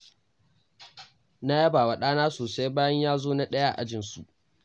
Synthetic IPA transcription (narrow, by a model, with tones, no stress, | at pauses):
na˦ja˦baː˨wa˨ɗaː˦naː˦soː˨sa˦jbaː˦jɐ˦ɲjaː˦zoː˦na˦ɗɐ˦ja˦a̰˨ʔa̰˦d͡ʒɪ˨nsu˨ʔ